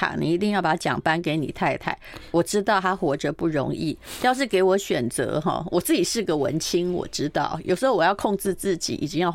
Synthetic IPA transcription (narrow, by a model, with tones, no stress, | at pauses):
a̰˨˩nḭ˨˩i˧˥t̪i˥˧ŋjɑ˥˩ʊpa˨˩a˥t͡ɕjɑ̰˨˩ŋpa˦nke˧˥ɪnḭ˨˩t̪ʰa˥˧ɪt̪ʰa̰˥˩ɪwɔ˨˩ʈ͡ʂɻ̩˥t̪̬ɑ˥˩ʊt̪ʰa˥xwɔ˧˥ʈ͡ʂə˧pu˥˩ɻo̰˧˥ŋḭ˥˩t͡ɕʊʂ̬ɻ̩˥˩ke˧˥ɪwɔ˧˥ɕɥɛ˨˩nt͡sɤ̰˧˥xɔ̰˧˩wʔɔ˨˩t͡sɹ̩˥˩t͡ɕi˨˩ʂɻ̩˥˩˧ɡə˨wə̰˧˥nt͡ɕʰi˥ŋwɔ̰˨˩ʈ͡ʂɻ̩˥t̪ɑ̰˥˩ʊjo˨˩ʊʂ̩˧˥xo˧˩ʊwɔ˨˩jʊkʰo˥˧ŋʈ͡ʂɻ̩˥˧t͡sɹ̩˥˩t͡ɕḭ˨˩ʔḭ˨˩t͡ɕi˥˦ŋjɑ˥˧˩